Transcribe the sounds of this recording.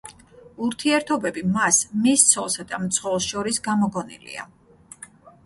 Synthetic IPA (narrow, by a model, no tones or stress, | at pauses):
uɾt̪ʰiɛɾt̪ʰɔbɛbimasmist̪sʰɔlˠsad̪amt̪sʰχɛlˠsʃɔɾisɡamɔɡɔnḭlḭa̰